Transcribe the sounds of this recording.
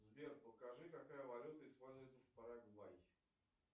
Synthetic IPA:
zbʲerpəkaʐɨkakajəvɐlʲut̪əɪspolʲzʊjɪt̪səfpaɾaɡʊbaj

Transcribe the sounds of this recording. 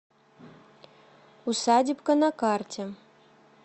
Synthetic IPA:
usɑdʲipkɤ̆nɑkɑrtʲɘ̆

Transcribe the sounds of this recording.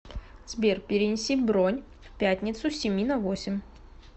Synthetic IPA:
zʲbʲerpʲɪɾʲɪnʲɪsʲivbɾonʲ | fpʲæt̪ʲnʲɪt̪sʊsʲɪmʲinɐvosʲɪmʲ

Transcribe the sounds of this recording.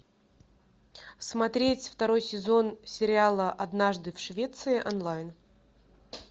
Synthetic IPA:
smɐt̪ɾʲetʲft̪ɐɾo̞jsʲɪzo̞nsʲɪɾʲɪalˠəʔɐd̪naʐd̪ɨfʂvʲe̞t̪sɨɪʔɐnlˠajn

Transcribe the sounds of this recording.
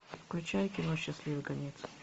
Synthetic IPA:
fklʲʉt͡ɕajkʲɪnoɕːɪslʲivɨkɐnʲet̪s

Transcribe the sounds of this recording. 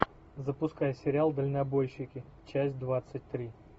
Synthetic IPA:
zəpʊskajəsʲɪɾʲɪalˠd̪əlʲnɐbo̞jɕːɪkʲɪt͡ɕæsʲt̚ʲd̪vat̪sɨt̚ʲt̪ɾʲi

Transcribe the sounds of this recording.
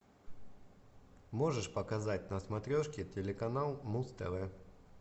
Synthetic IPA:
moʐɨʂpɐkɐzat̚ʲnɐsmɐt̪ɾʲoʂkʲɪtʲɪlʲɪkɐnalˠmust̪ɛ̰vɛ

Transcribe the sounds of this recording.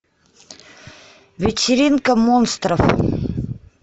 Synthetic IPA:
vʲɪtʲɪɾʲinkəmonst̪ɾəf

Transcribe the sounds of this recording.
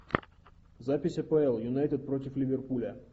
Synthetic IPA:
zapʲɪsʲɐpəɛlˠjʊnajt̪ʲəd̪̚pɾotʲɪflʲɪvʲerpulʲɐ

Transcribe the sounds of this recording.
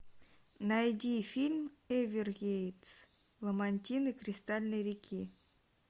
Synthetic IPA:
nɑjd̪ʲifʲilʲmevʲirɣʲejt͡s | lˠəmanʲtʲinɨkrʲist̪alʲnəɾʲikʲʰi

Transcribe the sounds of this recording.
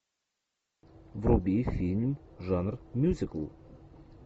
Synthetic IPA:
vrubʲifʲilʲmʐanrmʲjuzʲɪkəlˠ

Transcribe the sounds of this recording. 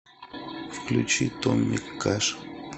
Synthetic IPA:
fklʊt͡ʃit̪omːɪkːaʂ

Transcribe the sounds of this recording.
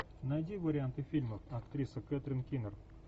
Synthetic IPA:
nɐjd̪ʲivɐɾʲɪant̪ɨfʲilʲməfɐkt̪ɾʲisəkʲɛt̪ɾʲɪnkʲinər

